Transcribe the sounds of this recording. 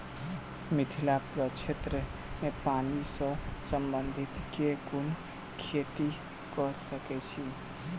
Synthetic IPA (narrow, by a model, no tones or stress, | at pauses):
mit̪ʰilapɾət͡ʃʰet̪ɾəmepanisə̃səmbənd̪ʱit̪kekun | kʰet̪i | kɔsəkɛt͡ʃʰi